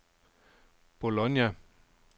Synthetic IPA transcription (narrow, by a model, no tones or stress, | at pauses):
b̥olɔnjæ